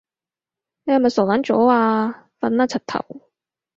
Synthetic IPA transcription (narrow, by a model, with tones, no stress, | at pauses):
e˧a˧mɐ˨sɔː˨˩wla˨˥nt͡ʃɔ̰ː˨˥aː˧ | fɐ˨˥nːaː˥t͡sʰɐ˨˩t̚t̪ʰɐ̰˨˩w